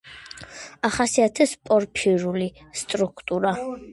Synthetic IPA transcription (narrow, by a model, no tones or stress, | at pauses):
aχasiat̪ʰɛspʼɔɾpʰiɾulist̪ʼɾukʰt̪ʼuɾa